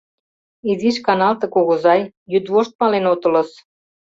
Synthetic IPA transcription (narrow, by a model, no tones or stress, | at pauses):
iziʃkɑnɑlt̪ɤ̆koɣozɑjːyd̪βoʃt̪̚mɑlenot̪ə̆lɤ̆s